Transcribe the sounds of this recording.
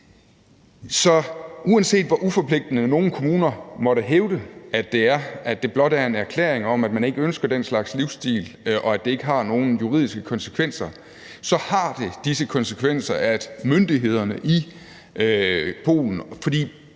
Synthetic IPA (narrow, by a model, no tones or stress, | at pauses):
sɒ̽uænse̝̰ːd̥ʋɒʔufɒ̽pʰle̝ɡ̥̚d̥ənəno̝ːn̩kʰo̝muːnɐmɒ̽ɾ̥əɦeʊd̥əæd̥e̝æɐʔæ̥e̝b̥lɒ̽d̥æɐe̝næɐkʰlḛːɐeŋɒ̽mæd̥mæne̝ɡ̥əønsɡ̥ɐd̥enslɑ̈ɡ̥sliʊsd̥ḭːlʔɒ̽æd̥e̝e̝ɡ̥əɦɑ̈no̝ːn̩juʁḭð̞̰ˠisɡ̥əkʰɒ̽nsə̥kʰʋen̰sɐ | sɒ̽hɑ̈d̥e̝d̥isəkʰɒ̽nsəkʰʋen̰sɐʔæd̥mønd̥iɦe̝ð̞̰ˠɐnəʔi | pʰo̝̰ːln̩fɒ̽d̥ḭː